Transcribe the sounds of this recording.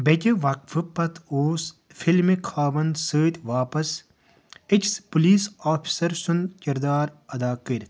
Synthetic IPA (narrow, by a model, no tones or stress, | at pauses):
betʲeʋɐkfʰɨpɐt̪ʰoːs | fʰilmikʰaːʋɐnd̪səːt̪ʋaːpɐs | ikspuliːsaːpʰi̥sɐɾsunkʲiɾd̪aːɾɐd̪aːkəɾʲt̪ʰ